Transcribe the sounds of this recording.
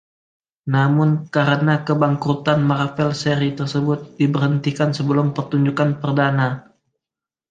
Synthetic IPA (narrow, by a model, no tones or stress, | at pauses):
namʊnkaɾənakəbaŋkɾut̪anmarfɛlseɾit̪ərsəbʊt̪̚dibərhənt̪ikansəbəlʊmpərt̪uɲd͡ʒukanpərdana